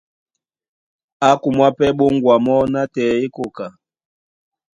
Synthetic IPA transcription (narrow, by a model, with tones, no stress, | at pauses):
a˦ku˨mwa˦pɛ˦ɓo˦ŋɡwa˨mɔ˦na˦tɛ˨e˦ko˨ka˨